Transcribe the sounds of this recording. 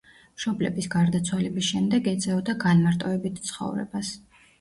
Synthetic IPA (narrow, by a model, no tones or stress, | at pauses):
mʃɔblɛbisɡaɾd̪at̪sʰwalɛbisʃɛmd̪ɛɡɛt̪sʼɛɔd̪aɡanmaɾt̪ʼɔvɛbit̪ʰt̪sʰχɔ̰vɾɛ̰bas